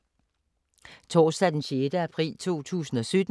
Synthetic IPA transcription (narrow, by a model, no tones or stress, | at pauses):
t͡sʰɒːsd̥æd̥enɕeːd̥əæpʰʁḭːlt͡sʰo̝̰ːt͡sʰṵːsn̩ɒ̽sød̥